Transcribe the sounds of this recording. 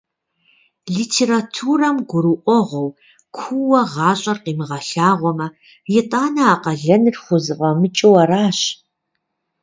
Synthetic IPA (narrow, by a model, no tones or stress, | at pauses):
ɮiːtʰeːɾatʰuːrɐmɡʷʊɾuʔʷɔʁʷɔw | kʷʰuwɐʁɑːɕʼɐrqiːmɨʁɐɬaːʁʷɔmɐ | jɪtʼaːnɐaːqɐɮɐnɨrχʷʊzɨqʼɐmɨt͡ʃʼɪwɐɾaːɕ